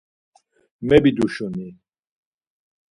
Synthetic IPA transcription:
mɛbid̪uʃuni

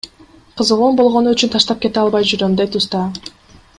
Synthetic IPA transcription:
qʰɯzʁoːnbo̞lˠʁo̞nuyt͡ʃynt̪ʰɑʃt̪ɑp̚ke̞t̪eɑlˠβɑjd͡ʒyɾømd̪ejt̪ust̪ɑ

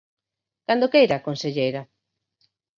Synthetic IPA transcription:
kand̪okejɾakonseʎejɾa

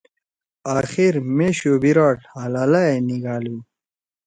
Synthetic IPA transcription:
aːxiɾmeːɕoːbiɾaːʈalaːlaeniɡaːliw

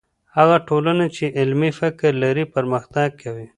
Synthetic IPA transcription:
haɣaʈolanat͡ʃeʔɪlmifɪkɾlaɾipəɾməxt̪ɑɡ̚kawi

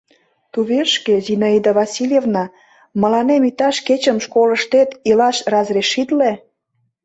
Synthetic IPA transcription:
t̪uβeʃkezinoid̪əβɑsʲilʲjevnɑ | mə̆lɑnemit̪ɑʃket͡ɕəmʃkoləʃt̪et̪ilɑʃrɑzreʃit̪le

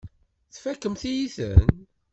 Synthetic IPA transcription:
θfækːəmθijiθə̰n

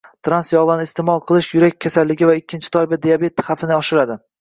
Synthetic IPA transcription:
t̪ʰɾansjɒʁlˠanɪɪst̪ʰemɒlˠqʰɨlˠɪʃjʊɾakʲkʰasalːɪɡʲɪvaɪkʲʰːɪnt͡ʃʰɪ̥t̪ʰɒɪbad̪ejabe̞t̪χafɪnɪɒʃɪɾad̪ɪ

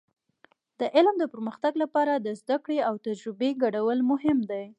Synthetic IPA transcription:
d̪̥əʔɪlmd̪əpəɾməxt̪aɡlapɑɾad̪əzd̪akɽeawt̪ad͡ʒɾɪbeɡaɽawəlmʊɦɪmd̪aj

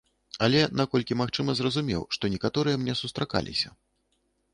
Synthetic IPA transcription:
ɐlʲɛnakɔlʲkʲimaxt͡ʂɨmɐzrɐzumʲɛ̰wʂt̪ɔnʲɛkat̪ɔɾɨjɛmnʲɛsust̪ɾaka̰lʲḭsʲɐ

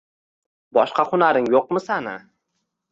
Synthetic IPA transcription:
bɒʃqɑχʊnaɾɪŋjoq̚mɪsanɪ

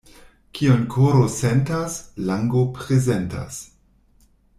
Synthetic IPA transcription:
kʰionkʰoɾosentaslaŋɡopɾezenta̰s

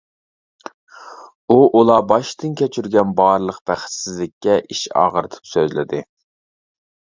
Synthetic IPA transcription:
uʔulˠɑbɑʃt̪ɨnkʲʰɛt͡ʃʰyɾɡʲɛnbɑɾlˠəqb̥æχt̪sɪzlɪkʲːɛʔiʃɑ̰ːʁəɾɨt̪ʰɨ̥psøzlɪ̰d̪ɪ

